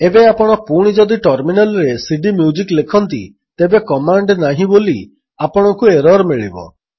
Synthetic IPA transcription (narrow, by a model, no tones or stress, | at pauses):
ebeapɔɽ̃ɔpuɽ̃id͡ʒɔd̪iʈɔɾminalɔɾesiɖimjud͡ʒiklekʰɔnt̪ḭ | t̪ebekɔmaɳɖnaɦĩboli | apɔɽ̃ɔŋkueɾɔɾmiɭḭbɔ̰